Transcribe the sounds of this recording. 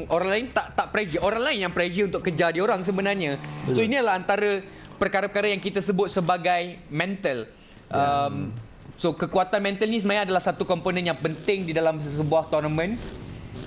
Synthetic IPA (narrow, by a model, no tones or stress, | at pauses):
oɾaŋlaɪnt̪aʔt̪aʔpɾɛd͡ʒəʔoɾaŋlaɪnjaŋpɾɛd͡ʒəunt̪ʊʔkəd͡ʒadioɾaŋs̬əbənarɲasoiniadalaɦant̪aɾə | pərkaɾapəkaɾajaŋkit̪asəbʊt̪̚səbaɡajmɛ̃nt̪əl | ʔəm | sokəkuat̪anmɛ̃nt̪əlnisəmãjãadalahsat̪ukɔmponə̃njaŋpənt̪ɪŋdidalamsəbuaht̪ɔrnəmə̃n